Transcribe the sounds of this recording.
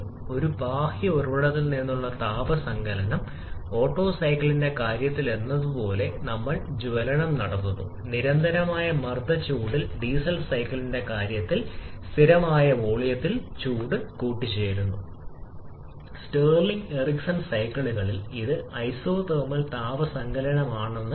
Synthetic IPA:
o̞ɾubaːhiorʋɐɽɐt̪ːilninːuɭːɐt̪aːbɐsɐŋɡʱɐlɐnɐm | o̞ːʈːo̞ːsɐjkːɐɭinde̞kaːɾjɐt̪ːile̞nːɐðupo̞ːle̞nɐmːɐɭd͡ʑuʋɐlɐɳɐmnɐɽɐnːunːṵ | niɾɐnd̪ʱɐɾɐmaːjɐmɐrd̪ʱɐt͡ɕuːɽilɖiːsɐlsɐjkːɐɭinde̞kaːɾjɐt̪ːilst̪ʰiɾɐmaːjɐʋoːɭijɐt̪ːilt͡ɕuːɽɨkuːʈːit͡ɕːe̞ːjɾunːu | steːrliŋɡeriksɐnsɐjkɐɭuɣɐɭiliðɨɐjsoːt̪ɐːmːɐlt̪aːʋɐsɐŋɡɐlɐɳɐmaːɳe̞nːɨ

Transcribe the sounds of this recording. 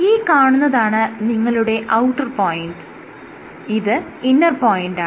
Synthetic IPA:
iːkaːɳunːɐðaːɳɨniŋːɐɭuɽe̞ʔɐwʈːɐrpoːjiɳɖɨ | iðɨinːɐrpoːjiɳɖaːɨ

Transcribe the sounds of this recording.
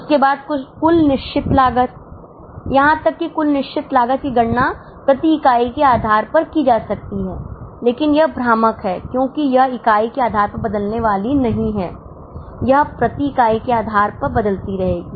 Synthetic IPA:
ʊskebaːd̪̚kʊt͡ʃʰkʊlnɪʃt͡ʃʰɪt̪laːɡət̪̚ | jɐɦãt̪ɐkːikʊlnɪʃt͡ʃʰɪt̪laːɡət̪̚kiɡɐɽna | pɾɐt̪iɪkaːikeaːd̪ʱaːɾpɐɾkid͡ʒaːsɐk̚t̪iɦɛːleːkɪnjɐɦbʱɾaːməkɦɛːkjõːkijɐɦɪkaːikeaːd̪ʱaːɾpɐɾbɐd̪əlneʋaːlinɐɦĩɦɛː | jɐɦpɾɐt̪ikaːikeaːd̪ʱaːɾpɐɾbɐd̪əlt̪iɾɐɦeːɡiː

